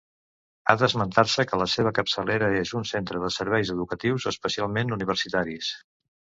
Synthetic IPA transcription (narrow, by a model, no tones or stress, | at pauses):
a̰ðəzmənt̪arsəkələseβ̞əkəpsəleɾəezunsent̪ɾəðəsəɾβɛjzəðukət̪iwzəspəsialˠmenuniβ̞ərsit̪aɾis